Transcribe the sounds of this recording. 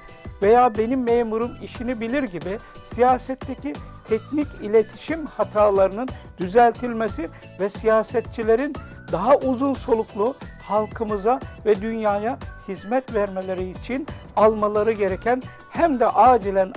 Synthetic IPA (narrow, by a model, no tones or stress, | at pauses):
ve̞jaːbe̞nimːeːmuɾumiʃinibilʲiɾɟibisijaːsɛt̪ʰːecʰit̪ʰɛcnicilʲet̪ʰi̥ʃimhat̪ʰaːlˠaɾɯnɯnd̪yzælʲt̪ʰilʲmesi | vɛsijaːsɛt̪̚t͡ʃʰilʲe̞ɾin | d̪aɦaʔuzunso̞lˠuklˠu | halˠkʰɯmɯzavɛd̪ynjaːjahizmɛt̪væɾme̞lʲe̞ɾiːt͡ʃʰinalˠmalˠaɾɯɟe̞ɾecʰæn | hæmd̪ɛʔaːd͡ʒilʲæn